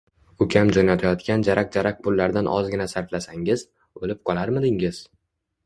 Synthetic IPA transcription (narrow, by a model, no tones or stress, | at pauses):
ʊkʲʰamd͡ʒɒnat̪ʰajɒt̪kʲand͡ʒaɾʔaq̚d͡ʒaɾaq̚pʰʊlːaɾd̪anʔɒ̰zɡʲɪnasaɾflasaŋɪz | olɪp̚qʰɒlˠaɾmɪd̪ɪŋɪz̥